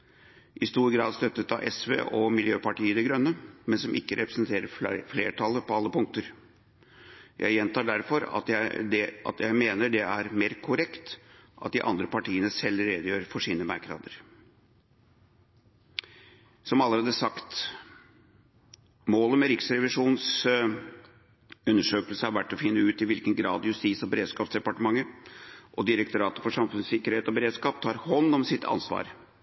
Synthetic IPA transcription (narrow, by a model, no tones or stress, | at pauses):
ʔɪst̪uːɾɡɾɑːd̪st̪œt̪ːət̪ɑʔɛsʋḛːʔɔmɪljøːpɑʈiːəd̪ɛɡɾœnːəmɛnsɔmʔɪkːəɾɛpɾə̥snt̪ʰeːɾəɾfleːʈʰɑlːəpɔɑlːəpʊŋkt̪əɾ | jʔæ̰ɪjɛnt̪ɑːɖæɾfɔɾɑ̰t̪æd̪ɛɑ̰t̪jæɪmeːnəɖɛæɾmeːɾkʰʊɾɛkt̪ʔɑ̰t̪̚d̪ɪʔɑ̰nd̪ɾəpɑʈiːənəsɛlːɾeːd̪əjøːɾfɔʂiːnəmæ̰ɾkɾɑ̰ːd̪əɾ | sɔmɑlːəɾeːd̪əʂɑkt̪ | moːləmɛɾɪksɾɛʋɪʂuːns | ʉnːəʂøːkəlsəhɑɾʋæʈːɔfɪnːəʉːt̪ɪʋɪlkənɡɾɑ̰ːd̪jʉst̪iːsɔbəɾeːd̪skɑːpsd̪ɛpɑʈəmɑŋːəʔɔd̪ɪɾəkt̪ʊɾɑːt̪əfɔʂɑmfʉnssɪkəɾheːt̪ɔbəɾeːd̪skɑːp̚t̪ʰɑːɾhɔnːɔmsɪt̪ːʰɑ̰nsʋɑ̰ːɾ